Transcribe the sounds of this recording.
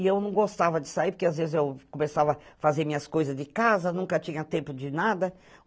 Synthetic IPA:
ɪewnɐ̃w̃ɡost̪avɐd͡ʒɪsaiɾpoɾkeazvezɪzewkõmesavɐfazeɾmĩɲɐskojzɐzd͡ʒɪkazɐnũkɐt͡ʃĩɲɐt̪ẽmpʊd͡ʒɪnad̪ɐ

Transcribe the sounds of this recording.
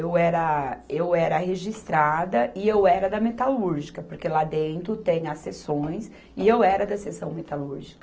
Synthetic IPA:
ewɛɾɐewɛɾɐɦeʒist̪ɾad̪ɐɪewɛɾɐd̪ɐmet̪aluɾʒikɐpoɾkelad̪ẽnt̪ɾʊt̪ẽɲɐsesõj̃s | ɪewɛɾɐd̪ɐsesɐ̃w̃met̪aluɾʒikɐ

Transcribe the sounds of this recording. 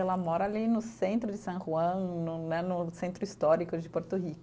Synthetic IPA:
ɛlɐmɔɾɐalinʊsẽnt̪ɾʊd͡ʒɪsɐ̃ʒuɐ̃w̃nʊnɛnʊsẽnt̪ɾʊist̪ɔɾikʊd͡ʒɪpoɾt̪ʊɦikʊ

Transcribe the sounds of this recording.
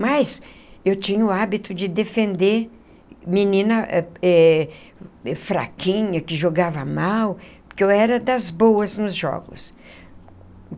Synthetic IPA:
mɐjsewt͡ʃĩɲɐʊabit̪ʊd͡ʒɪd̪efẽnd̪eɾ | minĩnɐɛ | ɛfɾa̰kĩɲɐkɪʒoɡavɐmawpʊkewɛɾɐd̪ɐzbowɐznʊzʒɔ̰ɡʊ̰s

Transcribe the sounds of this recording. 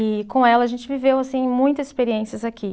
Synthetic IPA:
kõɛlɐːʒẽnt͡ʃɪvivewasĩẽmũj̃t̪ɐzɪ̥speɾiẽsiɐzakʰʲi

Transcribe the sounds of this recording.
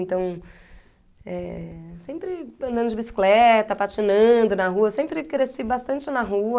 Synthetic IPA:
nt̪ɐ̃w̃ | ɛsẽmpɾɪɐ̃nd̪ɐ̃nd̪ʊd͡ʒɪbisi̥klɛt̪ɐpat͡ʃinɐ̃d̪ʊnɐɦuɐsẽmpɾɪkɾesibast̪ɐ̃nt͡ʃɪnɐɦu

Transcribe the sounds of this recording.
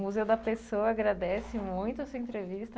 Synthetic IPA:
muzewd̪ɐpesowɐaɡɾad̪ɛsɪmũj̃t̪ʊɐsuɐẽnt̪ɾevist̪ɐ

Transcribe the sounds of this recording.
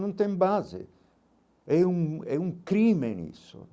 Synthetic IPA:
nunt̪ɛmbaːzḛ | ɛuŋɛuŋkɾiːmenḭso̰

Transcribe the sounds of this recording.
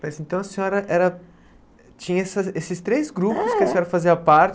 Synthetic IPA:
mɐzẽnt̪ɐ̃w̃ɐsẽɲɔɾɐʔɛɾɐ | t͡ʃĩɲɐɛsɐesɪst̪ɾejzɡɾupʊskɪɐsẽɲɔɾɐfaziɐpaɾt͡ʃ

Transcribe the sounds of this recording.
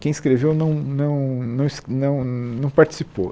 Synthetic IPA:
kẽj̃ɪskɾevewnɐ̃w̃nɐ̃w̃nɐ̃w̃snɐ̃w̃nɐ̃w̃paɾt͡ʃi̥sipo̰

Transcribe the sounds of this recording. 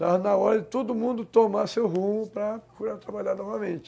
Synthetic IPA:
anaɔɾɐd͡ʒɪt̪od̪ʊmũnd̪ʊt̪omasewɦũmʊpɾɐkuɾat̪ɾabaʎaɾnɔvɐmẽnt͡ʃɪ̥

